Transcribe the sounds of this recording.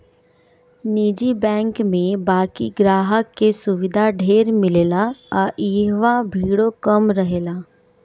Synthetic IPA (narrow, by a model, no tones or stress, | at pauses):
niːd͡ʒibɛ̃ːŋkmẽbaːkiɡɾaːɦəkːesʊʋɪd̪ʱaɖʱeːɾmɪleːlaɔʔiːɦʋabʱiːɽokəmɾəɦeːlaː